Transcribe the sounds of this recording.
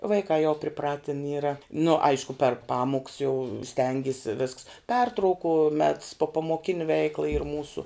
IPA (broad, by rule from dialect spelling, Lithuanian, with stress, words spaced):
ʋɐɪˈkɑː jɛʊ pʲrʲɪˈprɑːtʲɪn ˈiːrɐ nʊ ˈɐɪʃkʊ pʲɛr ˈpɑːmʊks jɛʊ ˈsʲtʲɛŋʲɡʲɪsʲɪ ʋʲɪsks ˈpʲɛrtrɐʊkʊ mʲɛts poːpɐmoːˈkʲɪnʲɪ ˈʋʲɛɪklˠɐ iːr ˈmuːsʊ